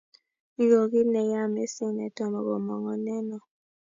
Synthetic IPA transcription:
ɡo˨ɣi˦nɛ˨ja˦˨me˦si˦˨nɛ˨tɔ˨mɔ˨ɣɔ˨mɔ˨ŋɔ˨nɛ˦nɔ˨

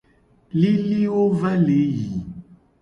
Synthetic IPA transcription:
li˦li˦o˦va˦le˨˦ji˨

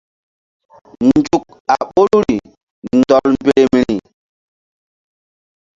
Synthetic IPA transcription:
nd͡ʒu˨k̚ | a˨ɓo˦lu˦ɾi˨ | n˨dɔ˨lm˦be˦e˦mi˨ɾi˨

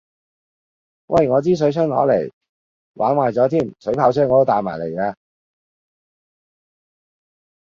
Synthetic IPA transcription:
wʔɐ̰˧˨jŋɔː˨˧t͡siː˥s̬ɵ˨˥ɥsʰœː˥ŋlɔ̰ː˨˥le˨˩j | wʔaː˨˥nwaː˨jt͡sɔː˨˥t̪ʰiː˥˩msɵ˨˥ɥpʰaː˧wsʰœː˥˩ŋːɔː˨˧t̪o˥t̪aː˨maː˨˩le˨˩jaː˧

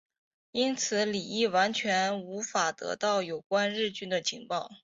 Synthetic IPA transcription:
i˥nt͡sʰɹ̩˨˧˥li˨˩i˥˩wa˧˥nt͡ɕʰɥɛ˧˥nu˧˥fa˨˩t̪ɤ̰˧˥t̪ɑ˥˩ʊjo˨˩ʊkwa˥nɻɻ̩˥˧t͡ɕy˥nd̪ə˨t͡ɕʰi˧˥ŋpɑ˥˩ʊ

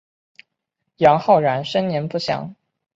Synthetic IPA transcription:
jɑ˧˥ŋxɑ˥˩ʊɻa˧˥nʂə˥nnjɛ˧˥npu˥˩ɕjɑ̰˨˩˥ŋ

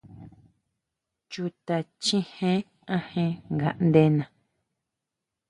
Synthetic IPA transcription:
t͡ʃu˧t̪a˧t͡ʃĩ˦hẽ˦ | ã˦˧hẽ˦ŋɡa̰˨ʔnd̪e˦nã˨

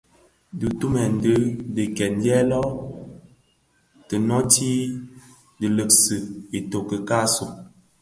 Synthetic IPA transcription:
dɨ˨tu˦mɛ˨n̩˨də˦də˨kɛ˨n˦djɛ˦lɔ˦ | tə˨nɔ˦ti˦ | də˨lə˨k̚sɨ˨i˨to˨kə˨ka˦so˨

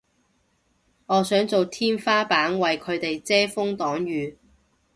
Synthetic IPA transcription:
ŋɔː˨˧sœː˨˥ŋt͡so˨wt̪ʰiː˥nfaː˥paː˨˥ŋwɐ˨jkʰɵ˨˧ɥt̪e˨jt͡sɛː˥fʊ˥ŋt̪ɔː˨˥ŋjyː˨˧

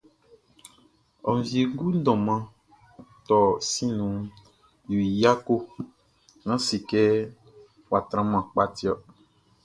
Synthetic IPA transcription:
ɔ˨m˨vi˨e˨˦ɡu˦dɔ̃˨mã˦ | t̪ɔ˨si˦nũ˨ | ju˨i˨ja˦ko˦ | nã˦si˨kɛ˦ | wa˨t̪ɾã˨˦mã˨k͡pa˦ti˦ɔ˦

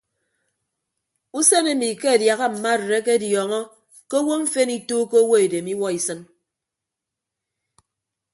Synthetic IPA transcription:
u˦se˦ne˦mi˨ke˦a˨dja˨ɣa˦m̩˨ma˦˨ɾɾe˦ke˦djɔ˨ŋɔ˦ | ke˦wo˦m̩˦fe˦ni˦toː˦ko˦wo˦e˨de˨mi˦wɔ˦i˨sɨ˦n

